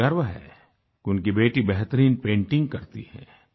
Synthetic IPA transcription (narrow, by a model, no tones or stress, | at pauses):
ɐɾʋəɦɛ̰ː | kʊnkibeːʈibɛɦt̪əɾiːnpẽːɳʈɪ̃ŋɡ̚kɐɾt̪ḭhɛ̰ː